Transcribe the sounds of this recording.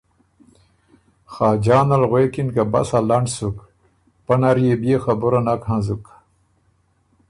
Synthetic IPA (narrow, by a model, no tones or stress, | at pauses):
xaːd͡ʑaːnalɣwekinkaba̰salaɳɖsuk | panaɾijebijexabuɾanakhãzuk